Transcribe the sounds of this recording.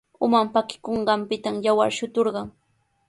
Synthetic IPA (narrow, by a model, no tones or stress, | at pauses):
ʊmampakɪ̥koɴɢɑmpɪt̪amjawa̰ɾʃʊt̪oɾɢɑŋ